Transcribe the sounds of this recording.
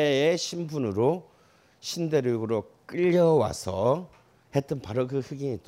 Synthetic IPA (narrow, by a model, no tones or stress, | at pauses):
eeɕʰimbunɯɾo | ɕʰinde̞ɾɯɡɯɾok͈ɯʎːʌwa̰sʰʌ | he̞t͈ɯnpaɾokɯhɯɡiŋit͡ɕ͈